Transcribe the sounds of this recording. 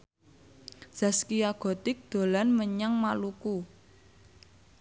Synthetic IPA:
z̥a̤skiaɡ̥ɔ̤t̪ɪk̚d̪̥o̤lanməɲaŋmaluku

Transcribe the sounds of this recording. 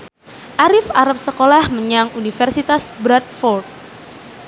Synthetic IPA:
ʔaɾɪfaɾap̚səkolahməɲaŋunifərsit̪asbɾat̪̚fɔrt̪̚

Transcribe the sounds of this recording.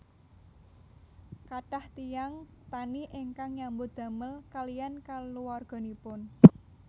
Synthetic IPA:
kaʈaht̪ijaŋ | t̪aniʔeŋkaŋɲambod̪̥ä̤məlkalijankaluwarɡ̥ɔ̤nipʊn

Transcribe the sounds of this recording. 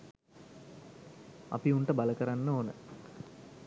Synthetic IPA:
ɐ̰piuɳʈəbaləkəɾanːəoːnə

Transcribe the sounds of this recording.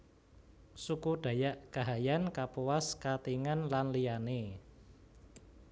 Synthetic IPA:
sukuɖ̥ä̤jaʔkaɦajankapuwaskat̪iŋanlanliane

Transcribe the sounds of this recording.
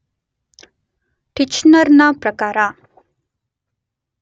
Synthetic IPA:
ʈit͡ʃnəɾnapɾəkaːɾa

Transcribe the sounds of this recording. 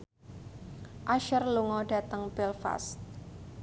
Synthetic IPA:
ʔaʃərluŋɔɖ̥ä̤t̪əŋb̥ɛlfa̰st̪̚

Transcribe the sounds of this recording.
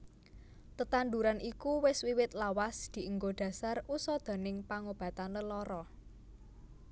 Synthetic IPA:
t̪ət̪and̪uɾanʔikuwɪswiwɪt̪lawasd̪̥i̤ʔəŋɡoɖ̪̥ä̤sarusɔd̪̥a̤nɪŋpaŋob̥ä̤t̪anləlɔɾɔ

